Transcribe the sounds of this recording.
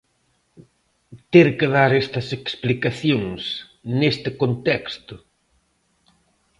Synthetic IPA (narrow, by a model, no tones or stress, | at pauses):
t̪eɾkɪðaɾest̪ɐseksplikaθjoŋs | nest̪ɪkont̪ɛkst̪ʊ